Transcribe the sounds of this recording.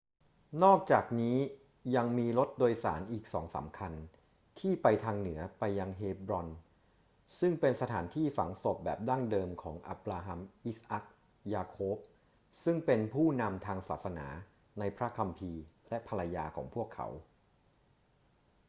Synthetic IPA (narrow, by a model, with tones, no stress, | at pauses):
nɔː˥˩k̚t͡ɕaː˨˩k̚niː˦˥ | ja˧ŋmiː˧lo˦˥t̪̚doː˧jsa̰ː˩˦nʔiː˨˩k̚sɔ̰ː˩˦ŋsa̰˩˦mkʰa˧n | t̪ʰiː˥˩pa˧jt̪ʰaː˧ŋnɯ˩˦ɐpa˧jːa˧ŋɦeː˧bɾɔ˧n | sɯ˥˩ŋpe˧nsa˧t̪ʰaː˩˦nt̪ʰiː˥˩fa̰˩˦ŋso˨˩p̚bɛ̰ː˨˩p̚daː˥˩ŋdɤː˧mkʰɔː˩˦ŋʔa̰˦˥p̚laː˧ɦa˧mʔi˦˥sʔa˦˥k̚ | jaː˧kʰoː˦˥p̚ | sɯ˥˩ŋpe˧npʰuː˥˩na˧mt̪ʰaː˧ŋsa̰ː˨˩t̪̚sa˧na̰ː˩˦ | na˧jpʰɾa˦˥kʰa˧mpʰiː˧lɛ˦˥pʰa˧ɾa˧jaː˧kʰɔ̰ː˩˦ŋpʰu˥˩əkʰːa̰˩˦w